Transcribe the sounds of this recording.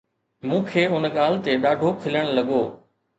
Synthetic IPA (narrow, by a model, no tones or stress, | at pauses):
mũːkʰeːʊnɠaːl̤t̪eɗaːɖʱokʰɪləɽ̃lɐɠoː